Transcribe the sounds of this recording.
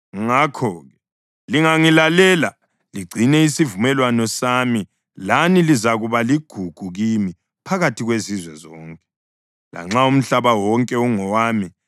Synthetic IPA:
ŋakʰɔːɣɛ | liŋaŋilalɛla | liɡ͡ǀʱinɛisivumɛlwanɔsami | lanilizaɣuβaliɡ̥ʱuɡ̥ʱuɣimi | pʰaɣatʰiɣwezizwɛzɔːŋkʼɛ̥ | la̰ŋ͡ǁaum̩ɬaβawɔŋkʼɛuŋɔwaːmi

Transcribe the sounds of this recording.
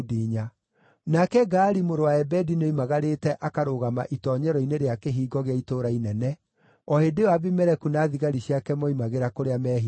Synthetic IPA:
diɲa | nakɛɡaːɾimoɾowaɛbɛdineimaɣaɾetɛʔakaɾoɣama̰ʔitɔːɲɛɾɔineɾeakeɦiːɡɔɣeaitoɾainɛnɛ | ɔhedewaβimɛɾɛkunaːðiɣaɾiɕiakɛmɔimaɣeɾakoɾeamɛɦi

